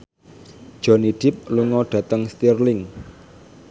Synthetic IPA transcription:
d̥ʒ̥ɔ̤niɖ̥ɪ̤p̚luŋɔɖ̥ä̤t̪əŋst̪irlɪŋ

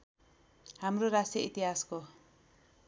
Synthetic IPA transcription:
hamroɾasjʌit̪iɦasko

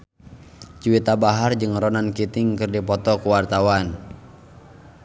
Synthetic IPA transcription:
t͡ʃuwit̪abaɦard͡ʒɨŋɾɔnankit̪ɪŋkɨrdipɔt̪ɔkuwart̪awan

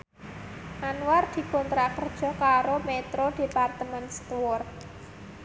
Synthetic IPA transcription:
ʔanward̪̥i̤kɔnt̪ɾakərd̥ʒ̥ɔ̤kaɾomet̪ɾod̥epart̪əmɛnst̪wɔrt̪̚

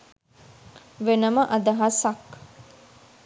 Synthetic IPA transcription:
ʋenəməʔɐd̪ɐɦasak

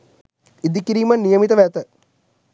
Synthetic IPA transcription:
id̪ikiɾiːmɐnːijɐmit̪əʋæt̪ə

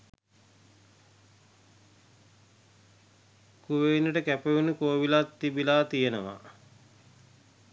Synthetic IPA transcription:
kuʋeinəʈəkæpeʋunəkoːʋilat̪ːibilaːt̪ijenəʋa̰

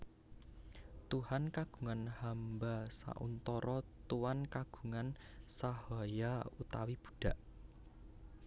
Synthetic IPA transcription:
t̪uhankaɡ̥u̥̤ŋanhambasa̰ʔṵnt̪ɔɾɔt̪uwankaɡ̥ṳŋan | sahajaut̪awib̥u̥̤d̥a̤ʔ

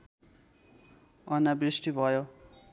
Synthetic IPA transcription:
ʌnabrisʈibʱʌjo

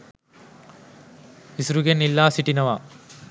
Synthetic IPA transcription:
isɾuɡenːilːaːsiʈinɐʋɐ

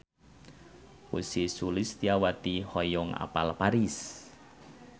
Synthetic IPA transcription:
usisulɪst̪iawat̪ihɔjɔŋa̰palpaɾis

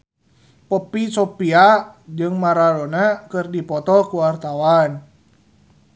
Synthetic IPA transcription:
pɔpisopiad͡ʒɨŋmaɾalonakɨrdipɔt̪ɔkuwart̪awan

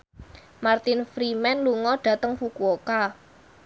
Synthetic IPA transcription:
mart̪ɪnfɾimɛnluŋɔɖ̥ä̤t̪əŋfukuoka

